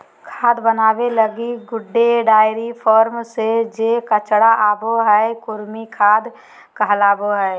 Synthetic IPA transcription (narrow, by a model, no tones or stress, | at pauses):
kʰaːd̪bənaːbeləɡiɡʊɖːeɖaːɪɾipʰɔːɾmsed͡ʒekət͡ʃɽaʔaːboɦɛkʊɾmikʰaːd̪ | kəɦlaːboɦɛ